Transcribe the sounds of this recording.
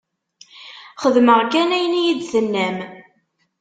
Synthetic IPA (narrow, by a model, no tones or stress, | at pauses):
χəðməʁkænæjənjid̪θənːæm